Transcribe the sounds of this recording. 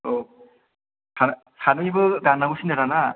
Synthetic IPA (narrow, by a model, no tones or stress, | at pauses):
o | san | sʰanɯjbɯdanːaɡusinɯɾana